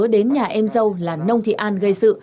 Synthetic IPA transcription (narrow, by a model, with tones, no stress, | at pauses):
əɗe˨˦nɲaː˨˩ʔɛ˧mzə˧wlaː˨˩nə˧wŋ͡mt̪ʰḭ˧˨ʔaː˧nɣə˧jsɨ̰˧˨